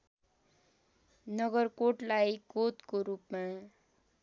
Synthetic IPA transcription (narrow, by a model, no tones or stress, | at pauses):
nʌɡʌrkoʈlajkot̪koɾupma